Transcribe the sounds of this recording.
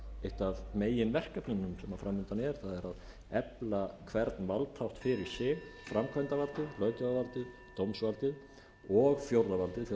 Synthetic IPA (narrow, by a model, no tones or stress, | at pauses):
ejht̪aðmeːjɪnvɛr̥kapnʏnʏmsɛmafɾamːʏnt̪anɛɾ̥θaðɛɾað | ɛplakʰvɛɾt̪nvalt̪ʰawht̪fɪɾɪɾ̥sɪɣfɾamkʰvɛjnt̪avalt̪ɪðlœːɥt̪ʏɣavalt̪ɪðt̪owmsvalt̪ɪð | ɔɣfjowɾðavalt̪ɪθ